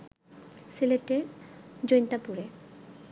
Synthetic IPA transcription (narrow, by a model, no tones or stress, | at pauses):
sileʈed͡ʑojnt̪apuɾe